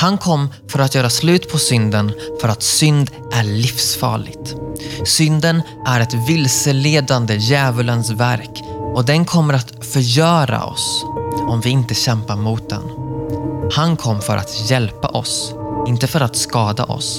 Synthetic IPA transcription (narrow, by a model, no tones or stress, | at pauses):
hankʰɔmːfœɾat̪jœːɾaslʉ̟ːt̪pʰɔsʏnd̪ənfœɾat̪sʏnd̪ | ʔæɭɪfsfɑ̰ːɭɪɡt̪sʏnd̪ən | ʔæɾɛt̪vɪlsəleːd̪and̪əjɛːvələnsvæ̰ɾk | ɔd̪ɛnkʰɔmːəɾat̪ | fœɾjœːɾa̰ɔ̰sɔmvɪɪnt̪əɕɛmpaɾmuːt̪̚d̪ɛ̰n | hankʰɔmːfœ̰ɾʔa̰t̪jɛlpa̰ʔɔ̰sɪnt̪əfœɾat̪skɑːd̪a̰ʔɔ̰s